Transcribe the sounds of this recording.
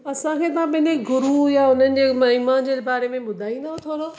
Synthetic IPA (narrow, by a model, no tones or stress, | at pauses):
ɐsãkʰeːt̪ɐãpɐɦɪ̃ɲd͡ʑeɡʊɾujaʊn̤ənɪ̆d͡ʑeːmɐimaːnd͡ʑeːbaːɾemẽɓʊd̪ʱaːĩːn̆d̪aːõt̪ʰoːɾo